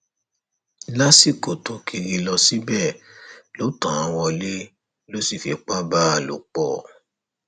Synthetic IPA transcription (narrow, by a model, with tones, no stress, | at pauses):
la˦si˦˨ko˨tõ˨kʰi˧ɾi˧lɔ˧si˦bɛ˦˨lo˨˦tã˨ã˧w̃ɔ̃˧le˦ | lo˦si˦˨fi˧k͡pa˦ba˦a˨lṵ˨k͡pɔ̰˨